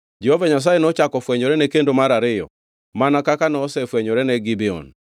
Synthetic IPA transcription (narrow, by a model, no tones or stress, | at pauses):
d͡ʒehovaɲas̬ajenɔt͡ʃakɔfwɛɲoɾɛnekendomaɾaɾɪjɔ̰ | manakakanɔːsɛfwɛɲoɾɛnɛɡibɛɔ̰n